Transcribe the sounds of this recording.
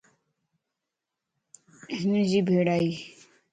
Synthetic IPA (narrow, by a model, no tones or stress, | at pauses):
eɦnəd͡ʒiːbʱeːɽaːiː